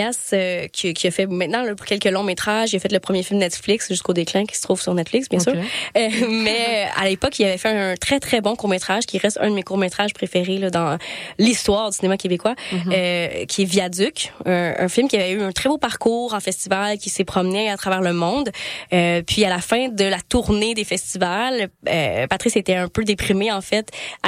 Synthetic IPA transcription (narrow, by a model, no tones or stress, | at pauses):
asøkʲkʲiafɛmɛ̃t̪nɑ̃lɔkʲɛlkəlɔ̃met̪χaʒilafɛt̪ləpχəmjefilmnɛt̪fliksʒyskod̪eklɛ̃kʲi̥sə̥t̪χuːv̥syʁnɛt̪flɪksbjɛ̃syː | mɛa̰lepɔkilavɛfɛɛ̃ə̃t̪χɛt̪χɛbɔ̃kuʁmet̪χaʒkʲiʁɛst̪œ̰̃d̪əmekuʁmet̪χaʒpχefeʁelɔd̪ɑ̃list̪waːʁd̪y̥sinemakʲebekwa | kʲʰiɛvjad̪ykʲɛ̰̃fɪlmkʲiavɛyɛ̃t̪χɛbopaʁkuːʁɑ̃fɛst̪ivalkʲisepχɔmnɛat̪χavɛːʁləmɔ̃d̪øpɥialafɛ̃d̪əlat̪uʁned̪efɛst̪ivalø̰pat̪ʁiset̪ɛɛ̃pød̪epχimeɑ̃fɛt̪